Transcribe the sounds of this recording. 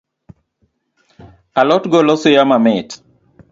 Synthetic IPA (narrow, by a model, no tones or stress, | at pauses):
alɔtɡolɔsojamamɪt